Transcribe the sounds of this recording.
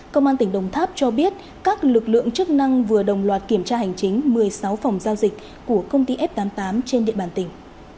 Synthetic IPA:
kə˧wŋ͡mʔaː˧nt̪ï˧˩ŋɗə˨˩wŋ͡mt̪ʰaː˦˥p̚t͡ɕɔ˧ɓi˦˥ət̚ | kaː˦˥k̚lɨ˨˩k̚lɨ̰˧˨əŋt͡ɕɨ˦˥k̚na˧ŋvɨ˨˩əɗə˨˩wŋ͡mlwaː˨˩t̚ki˧˩əmt͡ɕaː˧hɦa˨˩jŋ̟t͡ɕï˨˦ŋ̟mɨ˨˩əjsa˨˦wfa˨˩wŋ͡mzaː˧wzï˨˩k̟̚ | ku˧˩əkə˧wŋ͡mt̪i˧ʔɛ˦˥p̚t̪aː˨˦mt̪aː˨˦mt͡ɕe˧nɗḭ˧˨əɓaː˧˩nt̪ï˧˩ŋ̟

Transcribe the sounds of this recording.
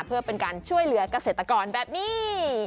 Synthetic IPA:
pʰɯ˥˩ɐpe˧nkaː˧nt͡ɕʰu˥˩əjlɯ˩˦ɐka˧seː˨˩t̪ːa˧kɔː˧nbɛː˨˩p̚niː˥˩

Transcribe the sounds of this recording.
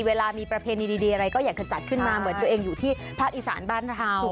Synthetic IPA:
weː˧laː˧miː˧pɾa˧pʰeː˧niː˧diː˧diː˧ʔa˧ɾa˧jkɔː˥˩jaː˨˩k̚t͡ɕa˨˩t͡ɕa˨˩t̪̚kʰɯ˥˩nmaː˧mɯ˨˩˦ənt̪u˧əʔeː˧ŋjuː˨˩t̪ʰiː˥˩ | pʰaː˥˩k̚ʔiː˨˩sa̰ː˩˦nbaː˥˩nt̪ʰaː˧w

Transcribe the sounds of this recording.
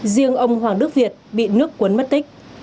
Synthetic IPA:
zi˧əŋʔə˧wŋ͡mɦwaː˨˩ŋɗɨ˦˥ək̚vi˨˩ət̚ɓḭ˧˨nɨ˦˥əkːwə˨˦nmə˦˥t̚t̪i˦˥k̟̚

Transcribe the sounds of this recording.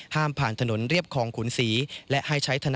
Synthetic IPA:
haː˥˩mpʰaː˨˩nt̪ʰa˧no˩˦nɾi˥˩əp̚kʰɔː˧ŋkʰuː˩˦nsiː˩˦lɛ˦˥ʔha˥˩jt͡ɕʰa˦˥jt̪ʰa˧n

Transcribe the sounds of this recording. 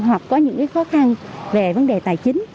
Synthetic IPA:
ɦwa˨˩k̚kɔ˨˦ɲɨ̰˧˥ŋkaː˨˦jxɔ˨˦xa˧nve˨˩və˨˦nɗe˨˩t̪aː˧˩jt͡ɕï˨˦ŋ̟

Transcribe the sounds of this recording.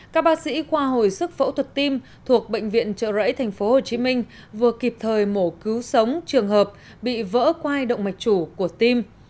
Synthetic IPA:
kaː˦˥k̚ɓaː˦˥t̚sḭ˧˥kwaː˧ɦo˨˩jsɨ˦˥k̚fə̰˧˥wt̪ʰwə˨˩t̚t̪i˧m | t̪ʰu˨˩ək̚ɓə̰˧˨jŋ̟vḭ˧˨ənt͡ɕə̰ː˧˨zə̰˧˥jt̪ʰa˨˩jŋ̟fo˨˦ho˨˩t͡ɕi˨˦mi˧ŋ̟ | vɨ˨˩əki˨˩p̚t̪ʰəː˨˩jmo˧˩kɨ˨˦wsə˨˦wŋ͡mt͡ɕɨ˨˩əŋɦəː˨˩p̚ | ɓḭ˧˨və̰ː˧˥kwaː˧jɗə̰˧˨wŋ͡mma˨˩jk̟̚t͡ɕu˧˩ku˧˩ət̪i˧m

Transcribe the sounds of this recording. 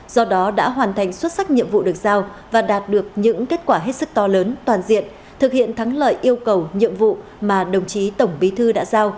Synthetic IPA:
z̥ɔ˧ɗɔ˨˦ɗa̰ː˧˥ɦwaː˨˩nt̪ʰa˨˩jŋ̟swə˦˥t̚sa˦˥k̚ɲḭ˧˨əmvṵ˧˨ɗɨ˨˩ək̚zaː˧w | vaː˨˩ɗaː˨˩t̚ɗɨ˨˩ək̚ɲɨ̰˧˥ŋke˦˥t̚kwaː˧˩ɦe˦˥t̚sɨ˦˥k̚t̪ɔ˧ləː˨˦nt̪waː˨˩nzḭ˧˨ən | t̪ʰɨ˨˩k̚hḭ˧˨ənt̪ʰa˨˦ŋlə̰ː˧˨jʔi˧əwkə˨˩wɲḭ˧˨əmvṵ˧˨ | maː˨˩ɗə˨˩wŋ͡mt͡ɕi˨˦t̪ə˧˩wŋ͡mɓi˨˦t̪ʰɨ˧ɗa̰ː˧˥zaː˧w

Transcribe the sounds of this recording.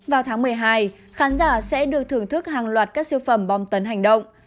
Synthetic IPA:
vaː˨˩wt̪ʰaː˨˦ŋmɨ˨˩əjɦaː˧j | xaː˨˦nzaː˧˩sɛ̰˧˥ɗɨ˨˩ək̚t̪ʰɨ˨˩əŋt̪ʰɨ˦˥k̚haː˨˩ŋlwaː˨˩t̚kaː˦˥k̚sɨ˧fə˧˩mɓɔ˨˩ŋ͡mt̪ə˨˦nɦa˨˩jŋ̟ɗə̰˧˨wŋ͡m

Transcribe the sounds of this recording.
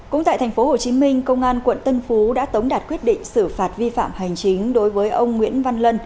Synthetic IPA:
kʊ̰˧˥ŋ͡mt̪a̰ː˧˨t̪ʰjŋ̟fo˨˦ho˨˩t͡ɕi˨˦mï˧ŋ̟kə˧wŋ͡mʔaː˧nkwə̰˧˨nt̪ə˧nfu˨˦ɗa̰ː˧˥t̪ə˨˦wŋ͡mɗaː˨˩t̚kwi˦˥ət̚ɗḭ̈˧˨ŋ̟sɨ˧˩faː˨˩t̚vi˧fa̰ː˧˨mha˨˩jŋ̟t͡ɕi˨˦ŋ̟ɗo˨˦jvəː˨˦jʔə˧wŋ͡mŋwḭ˧˥ənva˧nlə˧n

